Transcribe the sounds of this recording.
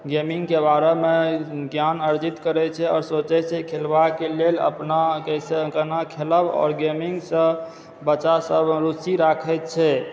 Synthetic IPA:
ɡemiŋɡkebaɾemeɡjanəɾd͡ʒit̪kəɾɛt͡ʃʰɛɔːɾsot͡ʃɛsʰɛkʰelbakelelə̰pnakɛjsekənakʰeləbɔ̰ːɾɡemiŋɡsə̃ | bət͡ʃasəbɾusiɾakʰɛt̪̚t͡ʃʰɛ

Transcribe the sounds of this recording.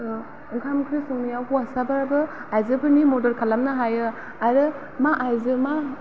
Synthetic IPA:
ɯŋkʰamkʰɾisuŋnijawbʰɯwasabaɾbɯajzɯbʰɯnimɔdɔɾkʰalamnaɦajɯ | aɾɯ | maʔajzɯma

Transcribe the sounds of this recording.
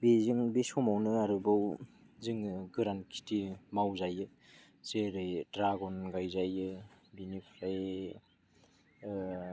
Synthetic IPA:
bizɯŋbisɔmawnɯaɾɯbaw | zɯŋɡɯɾankʰi̥timawzajɯ | z̥eɾɯjdɾaɡɔnɡajzajɯbinipʰɾaj

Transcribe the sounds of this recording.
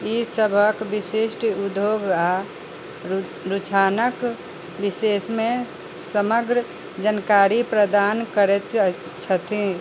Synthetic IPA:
isəbʱəkbisiʃʈud̪joɡa | ɾut͡ʃʰaːnək | bisesmẽ | səməɡɾə | d͡ʒənkaːɾipɾəd̪aːnkəɾet̪ | t͡ʃʰət̪ʰĩ

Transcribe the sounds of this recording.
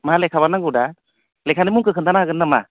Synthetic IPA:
maɦalekʰabanaŋɡuda | lɛkʰanɯmuŋkɯkʰɯnt̪anaaɡɯnːama̰

